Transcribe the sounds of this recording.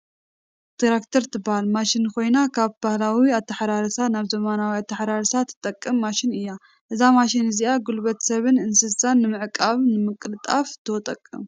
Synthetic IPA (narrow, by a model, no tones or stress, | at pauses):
t̪ʰiɾakt̪ʰɐɾt̪ʰɨbahalmaʃɪnkʰo̞jnakʰaβbahlawiat̪ʰːɐħɾaɾɐsanaβzɐmanawiat̪ʰːɐħɾaɾɨsat̪ʰːɨ̥t̪ʼɐkʼːɨmːaʃɪnɨjːa | ʔɨzamaʃɪnɨziaɡulbɐt̪sɐβɨnɨnsɨzsanːɨmɨʕkʼaβnɨmɨkʼːɨlɨt̪ʼaft̪ʰɨwɔt̪ʼɐkʼːɨ̰m